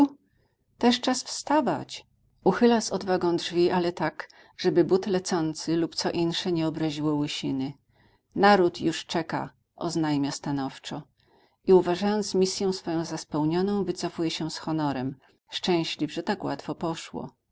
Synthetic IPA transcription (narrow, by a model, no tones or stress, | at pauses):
t̪ɛʂt͡ʂasfst̪ava̰t͡ɕ | uxɘlasɔd̪vaɡɔ̃w̃dʐvʲiʔalɛt̪ak | ʐ̥ɛbɘbut̪lɛt̪sɔnt̪sɘlupt̪sɔʔinʂɛɲɛɔbɾaʑiwɔwɘɕinɘ | naɾut̪juʂt͡ʂɛka̰ | ʔɔ̰znajmʲast̪anɔft͡ʂɔ | iuvaʐajɔnt̪smʲisʲjɔ̃w̃sfɔjɔ̃w̃zaspɛwɲɔnɔ̃w̃vɘt̪sɔfujɛɕɛsxɔnɔɾɛm | ʂt͡ʂɛ̃w̃ɕlʲivʐɛt̪akwa̰t̪fɔpɔʂwɔ̰